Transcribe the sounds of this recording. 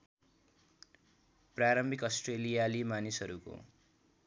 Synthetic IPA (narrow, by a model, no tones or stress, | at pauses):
praɾʌmbʱikʌsʈrelijalimanisɦʌɾuko̰